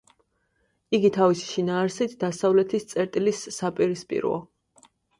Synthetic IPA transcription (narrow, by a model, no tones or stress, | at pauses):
iɡit̪ʰavisi̥ʃinaːɾsit̪ʰd̪asavlɛt̪ʰist̪sʼɛɾt̪ʼilisːapʼiɾispʼḭɾɔ̰ɔ̰